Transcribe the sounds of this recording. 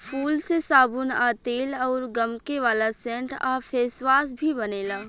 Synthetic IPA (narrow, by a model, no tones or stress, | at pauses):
fʰuːlsesaːbunaːt̪eːlɔːɾɡəmkeʋaːlasɛ̃ːɳʈaːpʰeːsʋaːsbʱibɐneːlaː